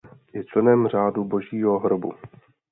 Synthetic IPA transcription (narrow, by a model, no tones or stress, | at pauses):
jɛt͡ʃlɛnɛmr̝aːdubo̞ʒiːɦo̞ɦɾobṵ